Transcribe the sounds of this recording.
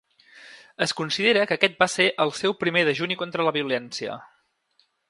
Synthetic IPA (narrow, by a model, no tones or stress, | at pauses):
əskunsiðeɾəkəkɛt̪̚baseʔəlˠsɛwpɾimeðəʒunikont̪ɾələβiulɛnsiə̰